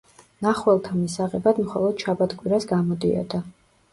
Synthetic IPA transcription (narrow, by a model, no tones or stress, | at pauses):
naχwɛlˠt̪ʰamisaʁɛbad̪mχɔlˠɔd̪̥ʃʰabat̪ɡʼwiɾasɡamɔd̪iɔ̰d̪a